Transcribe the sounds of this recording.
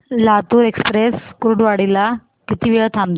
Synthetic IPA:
lat̪uːɾekspɾeskɾuɖʋaɽila | kit̪iːʋiɭət̪ʰamd̪

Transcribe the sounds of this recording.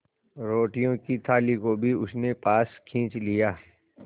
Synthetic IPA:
ɾoːʈijõkit̪ʰaːlikobʱiʊsnepaːskʰĩːt͡ʃlijaː

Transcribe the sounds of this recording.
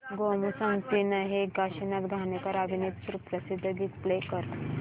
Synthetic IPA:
ɡomusəŋt̪inaɦeɡaʃinat̪ɡʱanekəɾabʱinit̪suɾupɾɐsid̪ʱːd̪ik̪plekəɾ

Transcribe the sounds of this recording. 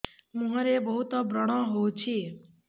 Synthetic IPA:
mũɦəɾebəɦut̪ɔbɾəɽ̃ɔɦowt͡ʃʰi

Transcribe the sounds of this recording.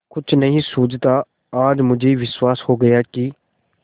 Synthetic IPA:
kʊt͡ʃʰnəɦĩːsuːd͡ʒt̪aː | aːd͡ʒmʊd͡ʒʱeːʋɪswaːshoːɡəjaːkɪ

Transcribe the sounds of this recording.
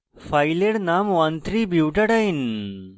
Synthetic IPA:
faɪleɽnaːmʋaːnt̪ɾiːbuːʈɐɽain

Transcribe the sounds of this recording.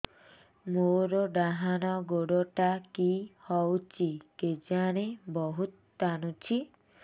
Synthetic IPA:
moɾɔɖaɦañɔɡoɽɔʈakihɔwt͡ʃʰiked͡ʒaɽ̃ebɔɦut̪ːañut͡ʃʰi

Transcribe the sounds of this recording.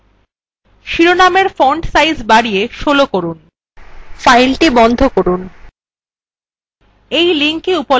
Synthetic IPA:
ʃiɾonameɾfoɳɖsajzbaɽieʃolokoɾun | fajlʈibɔnd̪ʱokoɾun | ejliŋkiupo

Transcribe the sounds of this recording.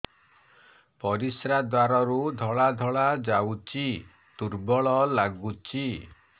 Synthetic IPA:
pɔɾisɾad̪waɾɔɾud̪ʱɔɭad̪ʱɔɭad͡ʒawt͡ʃi | t̪uɾbɔɭɔlaɡut͡ʃi

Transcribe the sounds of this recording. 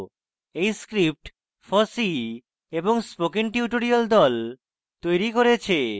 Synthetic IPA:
ejskɾip̚ʈ | fɔsi | eboŋspokiŋʈiuʈoɾiald̪ɔl | t̪ojɾikoɾet͡ɕʰe

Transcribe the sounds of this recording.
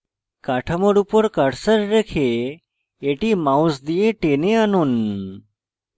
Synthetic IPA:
kaʈʰəməɽupəɾkaɽsəɾɾekʰe | eʈiːmawsd̪ijeʈeneanuːn

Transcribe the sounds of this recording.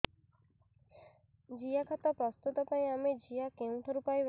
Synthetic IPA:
d͡ʒijakʰat̪apɾɔst̪ut̪ɔpãĩamed͡ʒijakẽũt̪ʰɔɾupajʋ

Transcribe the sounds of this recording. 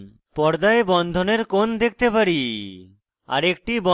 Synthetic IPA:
pɔɾd̪aebɔnd̪ʱoneɾkond̪ek̚ʰt̪epaɾi | a̰ɾek̚ʈibɔ

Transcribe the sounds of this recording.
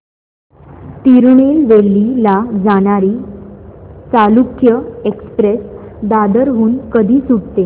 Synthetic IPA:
t̪iɾuɳelʋelːilad͡zaɽ̃aɾiː | t͡salukjəekspɾes | d̪ad̪əɾɦuːnkəd̪ʱiːsuɽt̪e

